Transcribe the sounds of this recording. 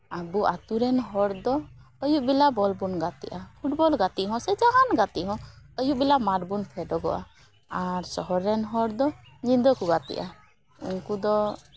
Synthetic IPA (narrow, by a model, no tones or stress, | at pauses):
abuʔat̪uɾɛnɦɔɽd̪ɔː | juʔbilabɔlbunɡat̪ḭʔapʰuʈbɔlɡat̪iɦɔ̃sɛd͡ʒaɦanɡat̪iɦɔ̃əjuʔbilamaɾbunpʰɛɖɔɡɔ̰ʔa̰ | aɾsɔɦɔɾːɛnɦɔɾd̪ɔɲind̪ɔkuɡat̪ḭʔa | ṵnkud̪ɔ